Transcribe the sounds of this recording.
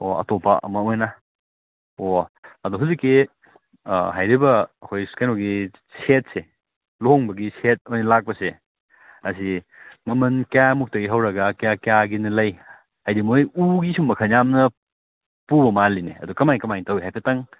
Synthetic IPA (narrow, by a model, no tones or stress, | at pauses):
oɐ̰topɐ̰ʔɐ̰mɐojnɐ | oɐduɦuzikːi | ɦajɾibɐhojkajnoɡi | set̚se | looŋbɐɡiset̚ojnɐlak̚pɐse | ɐsi | mɐmɐnkjamuk̚tɐɡiɦawɾɐɡɐkjakjaɡinɐlɐj | hajdimojuɡisumbɐkʰɐnjamnɐ | pubɐmalinḛɐ̰dukɐmajŋkɐmajŋtɐwiɦajpʰetɐŋ